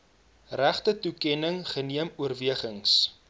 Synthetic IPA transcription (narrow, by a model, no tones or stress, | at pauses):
ræχtətukɛnəŋχəniəmuərviəχəŋs